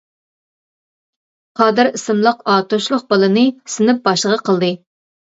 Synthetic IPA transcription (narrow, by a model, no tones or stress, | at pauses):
qʰɑːd̪ɨɾisɨmlˠəqɑːt̪oʃlˠʊq̚bɑlˠɨnɨsɪnɪp̚bɑʃləʁɑqʰəlˠd̪ɨ